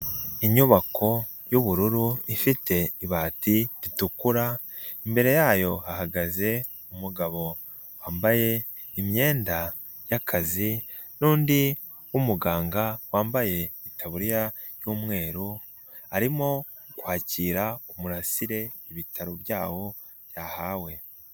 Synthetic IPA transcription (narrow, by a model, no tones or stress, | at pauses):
iɲuβakʰo̞ | juβuɾuɾuifite̞iβaːtiɾitukuɾa | imbe̞ɾe̞jaːjo̞hahaɡaze̞ | umuɡaβo̞ | waːmbaje̞ | imje̞ːnda | jakʰazi | nuːndi | umuɡaːŋɡawaːmbaje̞itʰaβuɾija | juːmŋe̞ːɾu | aɾimo̞ | kwaːciːɾaumuɾasiɾe̞iβitʰaɾoβjaːwo̞ | β̥jaːhawe̞